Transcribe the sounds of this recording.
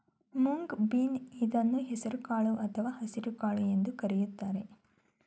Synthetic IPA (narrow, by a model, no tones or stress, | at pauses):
muŋɡbiːnid̪ɐnːuɦɛsɐɾukaːɭuʔɐt̪ʰɐʋaːhɐsiɾukaːɭuje̞nd̪ukɐɾɛjut̪ːaːɾe̞